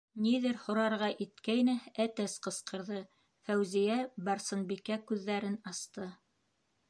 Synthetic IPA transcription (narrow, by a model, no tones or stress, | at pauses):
niðɘɾhŏɾɑɾʁɑʔit̪kæjnææt̪æsqɤ̆sqɤ̆ɾðɤ | fæwzijæbɑɾsɤ̆nbikækʉðːæɾɘnɑst̪ɤ